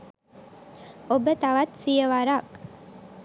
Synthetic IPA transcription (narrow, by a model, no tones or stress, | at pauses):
obət̪aʋɐt̪sijəʋaɾaːk